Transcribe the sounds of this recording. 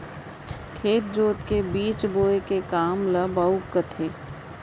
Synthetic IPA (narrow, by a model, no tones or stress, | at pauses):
kʰeːt̪̚d͡ʒoːt̪kebiːt͡ʃboːekekaːmlɐbaːukːət̪ʰeː